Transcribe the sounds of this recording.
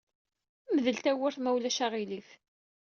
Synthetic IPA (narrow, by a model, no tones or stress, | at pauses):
məðəlt̪æwəɾθmæwlæʃaʁiliθ